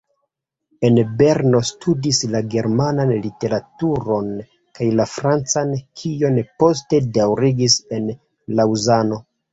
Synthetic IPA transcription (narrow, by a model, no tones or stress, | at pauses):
e̞nbe̞ɾno̞stʰudislaɡe̞ɾmananlite̞ɾatuɾo̞n | kajlafɾant͡sankʰionpo̞s̬te̞dawɾiɡise̞n | lawzano̞